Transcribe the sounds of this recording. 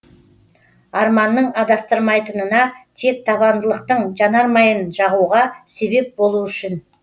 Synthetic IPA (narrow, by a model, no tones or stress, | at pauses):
ɑɾmɑnːəɴɑd̪ɑst̪əɾmɑjt̪ənənɑt̪ʰe̞k̚t̪ʰɑβɑnd̪əlˠəqt̪əɴʒɑnɑɾmɑjənʒɑʁuʁɑse̞be̞p̚bo̞lˠuʏʃɪn